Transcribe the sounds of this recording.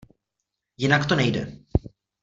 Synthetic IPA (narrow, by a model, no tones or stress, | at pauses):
jɪnakt̪onɛjdɛ̰